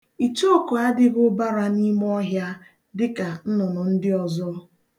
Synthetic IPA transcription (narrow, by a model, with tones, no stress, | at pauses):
i˨t͡ʃo˦˨ko˨a˦dɪ˦ɣʊ˦ba˦ɾa˦ni˦m˦ɔ˦ɦja˦ | dɪ˦ka˨n̩˦nʊ˨nʊ˨n̩˦dɪ˦ɔ˨zɔ˦